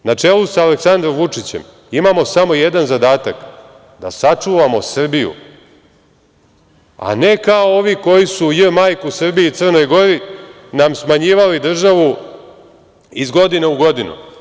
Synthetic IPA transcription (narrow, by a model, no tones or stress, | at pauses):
nat͡ʂe̞ːlusaːleksand̪ɾomʋut͡ʂit͡ɕe̞̰m | imamo̞samo̞jed̪anzad̪aːt̪ak | d̪a̰sat͡ʂuːʋamo̞sr̩bijṵ | a̰ne̞kaooʋiko̞jisujəmaːjkusr̩bijiːt̪sər̩no̞jɡo̞ɾi | namsmaɲiːʋalid̪r̩ʒaʋu | izɡo̞d̪ineuɡo̞d̪inṵ